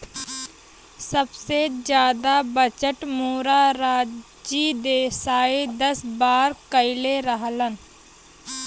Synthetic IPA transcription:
səbsed͡ʒjaːd̪abət͡ʃəʈmoːɾaɾaː | d͡ʒid̪eːsaːid̪əsbaːɾkəɪleɾəɦlən

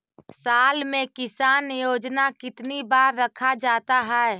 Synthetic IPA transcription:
saːlmẽkɪsaːnjoːd͡ʒnakɪt̪nibaːɾːɐkʰad͡ʒaːt̪aɦɛɛ

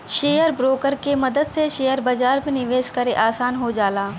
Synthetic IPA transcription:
ʃeːjəɾbɾoːkəɾkemɐd̪əd̪seʃeːjəɾbɐd͡ʒaːɾmẽnɪʋeːʃkɐɾeʔaːsaːnɦod͡ʒaːlaː

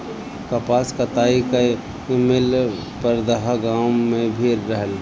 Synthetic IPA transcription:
kəpaːskat̪aːika | mɪl | pəɾd̪əɦɡãwmẽbʱiɾːəɦəl

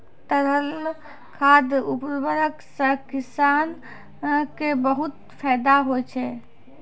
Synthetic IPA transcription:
t̪əɾəl | kʰad̪upɾbəɾəksəkisan | kebəɦut̪ | pʰɛjd̪aɦojt͡ʃʰɛ

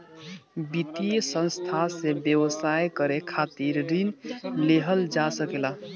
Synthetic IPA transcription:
bit̪isə̃nst̪ʰasebjəwəsajkəɾekʰat̪iɾɾinleɦəld͡ʒasəkela

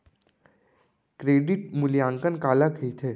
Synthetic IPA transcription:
kɾeːɖɪʈ̚mʊljãːŋkənkaːlakʰəit̪ʰeː

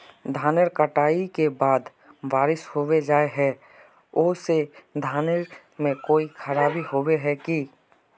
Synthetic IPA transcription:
d̪ʱaːnəɾkəʈaːikebaːd̪ | ʋaːɾɪshowed͡ʒaːeɦɛː | ʊːsed̪ʱaːnəɾ | mẽkoːikʰəɾaːbiɦoweɦɛki

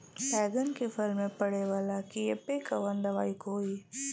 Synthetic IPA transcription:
pɛːɡənkefɪlmːẽpɐɽeʋaːlakiepekaʋɐnd̪ɐʋaːikoːiː

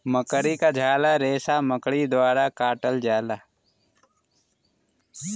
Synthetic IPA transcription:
məkɽikad͡ʒʱaːlaɾeːsaməkɽid̪waːɾakaːʈəld͡ʒaːlaː

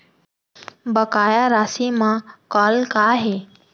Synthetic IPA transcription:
bəkaːjaɾaːsimãkɔːlkaːɦeː

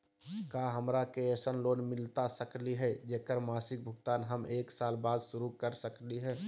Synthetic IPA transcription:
kaɦəmɾakeesənloːnmɪlt̪asəkliɦɛd͡ʒeːkəɾmaːsɪk̚bʱʊɡt̪aːnɦəmeːksaːlbaːd̪sʊɾukəɾsəkliɦɛː

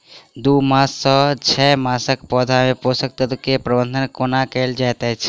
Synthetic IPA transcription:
d̪umasːə̃t͡ʃʰɛmasəkpɔd̪ʱameposək̚t̪əd̪kepɾəbənd̪ʱənkonakəld͡ʒajt̪ɛt͡ʃʰ

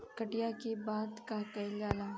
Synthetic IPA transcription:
kɐʈɪjakebaːd̪kakɐɪlɡaːlaː

